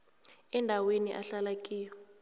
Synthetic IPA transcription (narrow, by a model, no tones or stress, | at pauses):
ɛndʱaweniʔaɬalakʼiːjɔ